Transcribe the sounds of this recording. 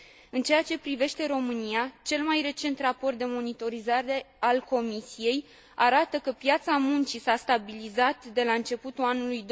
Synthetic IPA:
ɨnt͡ʃe̞jat͡ʃe̞pɾive̞ʃt̪e̞ɾo̞mɨnijat͡ʃe̞lmajre̞t͡ʃe̞nt̪rapo̞rt̪̚d̪e̞mo̞nit̪o̞ɾizaɾe̞ | alko̞misije̞j | aɾat̪əkəpjat̪samunt͡ʃisast̪abilizat̪d̪e̞laɨnt͡ʃe̞put̪ulanulujd̪

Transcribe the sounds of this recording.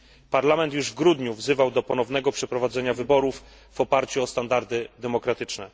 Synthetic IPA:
paɾlamɛnt̪juʐvɡɾud̪ɲuvzɘvawd̪ɔpɔnɔvnɛɡɔpʂɛpɾɔvad̪zɛɲavɘbɔɾufː | ɔpaɾt͡ɕuɔst̪and̪aɾd̪ɘd̪ɛmɔkɾat̪ɘt͡ʂnɛ

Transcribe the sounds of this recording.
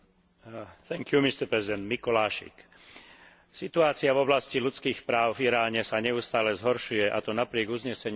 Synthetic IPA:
θɛŋkjumist̪ɛɾpɾɛzid̪ɛnd̪mikɔlaːʃḭk | sit̪uaːt͡siavɔblascilut͡skiːxpɾaːʊfiɾaːlɲɛsaɲɛust̪aːlɛzɦɔɾʃujɛʔa̰t̪ɔnapɾɪɛɡuzɲɛsɛɲ

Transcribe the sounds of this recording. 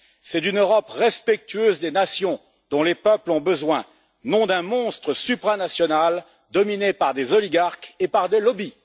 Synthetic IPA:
sɛt̪ynøʁɔpʁɛspɛk̚t̪yøzd̪enasjɔ̃ | d̪̥ɔ̃lepœplɔ̃bəzwɛ̃ | nɔ̃d̪ɛ̃mɔ̃st̪χəsypχanasjɔnal | d̪ɔminepaʁd̪ezɔliɡaʁkepaʁd̪elɔbi

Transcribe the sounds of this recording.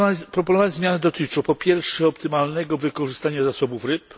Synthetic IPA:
pɾɔpɔnɔvazmʲjanɛd̪ɔt̪ɘt͡ʂɔpɔpʲjɛɾfʂɛɔpt̪ɘmalnɛɡɔvɘkɔʐɘɨst̪aɲazasɔbufɾɘp

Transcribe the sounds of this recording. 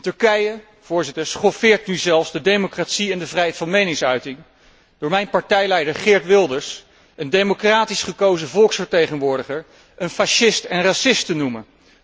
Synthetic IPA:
tɵɹkɛjə | v̥ʊːɹzɪtəɹsχɔfɪːɹt̚nyzɛlˠfsdədejmokratsiɛndəvrɛjɦɛjtfɑnmejnɪŋsœɥtɪŋ | d̥ʊːɹmɛjnpɑɹtɛjlɛjdəɹχɪɹtʋɪlˠdəɹs | əndejmokraːtisχəkowzəvɔlˠksfəɹtejχənʋʊːɹdəχəɹ | ʔənfaʃɪstɛnrasɪstənumə

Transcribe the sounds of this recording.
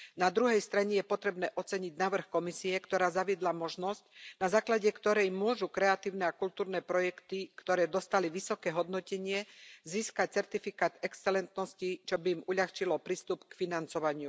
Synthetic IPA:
nad̪ɾuɦɛjst̪ɾaɲɛjɛpɔt̪ɾɛbnɛːʔɔt͡sɛɲiɟnaːʋr̩xkɔmisiɛkt̪ɔɾaːzaʋɪɛd̪lamɔʒnɔscnazaːklaɟɛkt̪ɔɾɛjmʊɔʒukɾɛat̪iːʊnɛakult̪uːɾnɛːpɾɔjɛkt̪ikt̪ɔɾɛːd̪ɔst̪aliʋisɔkɛːɦɔd̪nɔcɛɲɪɛziːskac̚t͡sɛɾt̪ifikaːt̪ɛkst͡sɛlɛnt̪nɔscit͡ʃɔbiːmuʎaxt͡ʃilɔpɾiːst̪upkfinant͡sɔʋaɲɪu

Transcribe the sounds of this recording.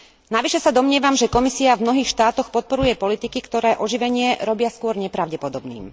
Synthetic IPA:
naʋiʃɛsad̪ɔmɲɪɛʋamʒɛkɔmisiavmnɔɦiːxʃt̪aːt̪ɔxpɔt̪̚pɔɾujɛpɔlit̪ikikt̪ɔɾɛːʔɔʒiʋɛɲɪɛɾɔbɪaskʊɔɾɲɛpɾaʊɟɛpɔd̪ɔbnḭːm

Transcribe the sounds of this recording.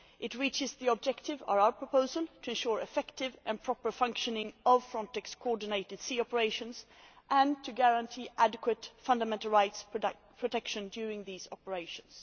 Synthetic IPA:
ʔɪtɹit͡ʃɪzðiəb̚d͡ʒɛktɪvə̰vaʊə˞pʰɹ̥ɔpʰoʊzəlˠtʰɨ̃nʃuɹɨfɛktɪvʔɨ̃npʰɹ̥ɔpə˞fʌ̃ŋkʃənɪ̃ŋʔʌv̥fɹɔ̃ntɛkskʰɔɔɹdɪneɪtɨd̥siːɔpəɹeɪʃə̃ns | ʔə̃ntʰɨɡæɹə̃ntʰiːʔædɨkʰwətfʌ̃ndəmɛ̃ntəl̩ˠɹaɪts | pʰɹ̥ɔtʰɛkʃə̃ndjʉɹɪ̃ŋðiːzɑ̰pəɹeɪʃə̃ns

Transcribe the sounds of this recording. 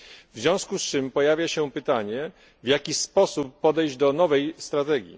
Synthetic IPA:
vzʲjɔ̃w̃skust͡ʂɘmpɔjavʲjaɕɛpɘt̪aɲɛ | vʲjakʲispɔsupːɔd̪ɛjd͡ʑd̪ɔnɔvɛjst̪ɾat̪ɛɡʲjḭ

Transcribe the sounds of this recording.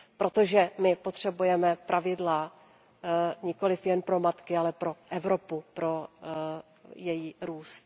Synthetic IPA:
pɾo̞t̪o̞ʒɛmɪpo̞t̪r̝̥ɛbujɛmɛpɾʔavɪdla | ɲɪko̞lɪfjɛnpɾo̞mat̪kɪalɛpɾo̞ʔɛvɾo̞pupɾo̞ | jɛjiɾuːst̪̚

